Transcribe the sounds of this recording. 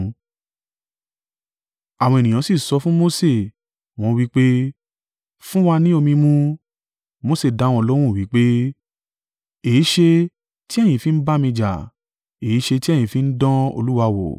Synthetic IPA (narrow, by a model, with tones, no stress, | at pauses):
a˨w̃ɔ̃˧e˨nĩ˨j̃ã˨˦si˦˨sɔ˧˦fũ˦mo˧˦se˦˨ | w̃ɔ̃˦wi˦k͡pe˦ | fũ˦wa˧nĩ˦o˧mĩ˧mũ˦ | mo˦se˦˨da˨˦w̃ɔ̃˧ɔ˧lɔ˦w̃ũ˦˨wi˨˦k͡pe˦ | e˨i˨˦ʃe˧ | ti˦ɛ˦˨j̃ĩ˧˨fi˨˦n̩˦ba˦mĩ˧d͡ʒa̰˨ | e˨i˦ʃe˧ti˦ɛ˦˨jĩ˨fi˧˦n̩˦dɔ̃˦o̰˧lu˦wa˧wo̰˨